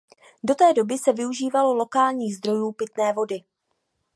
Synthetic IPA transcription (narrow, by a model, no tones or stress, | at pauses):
do̞t̪ɛːdo̞bɪsɛvɪuʒiːvalo̞lo̞kaːlɲiːɣzd̪ɾo̞juːpɪt̪nɛːvo̞dɪ